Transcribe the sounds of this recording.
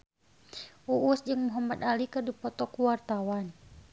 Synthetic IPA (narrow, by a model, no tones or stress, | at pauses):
uʔːsd͡ʒɨŋmuɦamat̪alikədupɔt̪ɔkuwart̪awan